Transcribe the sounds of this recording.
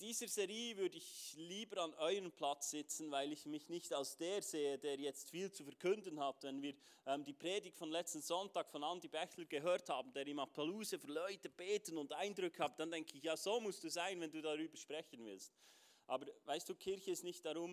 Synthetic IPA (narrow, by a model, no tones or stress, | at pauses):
d̥iːzəzɛʁiːvʏɾdəɪçliːbəɾɑnʔɔʏəɾəmpʰlat͡sz̥ɪt͡sn̩vaɪlɪçmɪçnɪçtalsd̥eːɾz̥eːədeːɾjɛt͡stfiːlt͡sufɛɾkʰʏndənhatvɛnviːɾ | ʔɛːmdiːpʁ̥eːdɪk̚tfɔnlɛt͡stn̩z̥ɔntɑːkfɔnandibɛçləɾɡ̥əɦøːthaːbn̩deːɾiːmapʰaluːzəfylɔʏtəb̥eːtənʊndʔaɪndɾʏkʰəhaːbd̥andɛŋkʰəɪçjaːz̥oːmʊstd̥uːzaɪnvɛnduːdaʁyːbəʃpʁ̥ɛçənvɪ̰lst | ʔɑːbəɾvaɪstd̥uːkʰɪɾçəɪstnɪçt̚d̥aɾʊm